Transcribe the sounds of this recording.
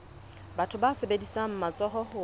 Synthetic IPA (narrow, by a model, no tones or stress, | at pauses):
batʰʊbasebedisam̩mat͡sʼɔɦɔhʊ